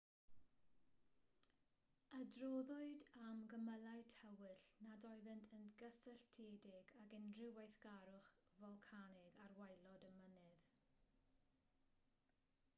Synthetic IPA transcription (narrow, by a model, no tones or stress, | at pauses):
adrɔðʊɨdamɡəməlˠaɨtʰɛwɨɬnadɔɨðəntʰənɡəsɛɬtʰeːdɪɡaɡɛndrɪwajθɡ̥aɾʊχvɔlˠkʰanɪɡarwajlɔdəmənɨð